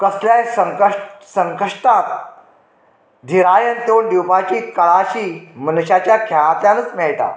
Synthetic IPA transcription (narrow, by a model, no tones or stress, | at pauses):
kəsljasəŋkəʂʈsəŋkəʂʈat̪ | d̪ʱiɾajənt̪oːnɖ̪iwpat͡ɕiːkəɭaɕiːmənɕat͡ɕjakʰɛɭãt̪jãnət͡smɛɭʈa̰